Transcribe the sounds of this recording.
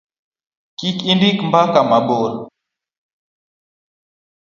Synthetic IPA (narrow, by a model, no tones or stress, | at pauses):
kikindikmbakamaɓɔl